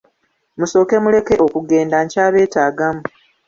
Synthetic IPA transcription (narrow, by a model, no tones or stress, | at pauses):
muso̞ːke̞mule̞ke̞ʔo̞kuɡe̞ːndaɲcaːβe̞ːtaːɡamu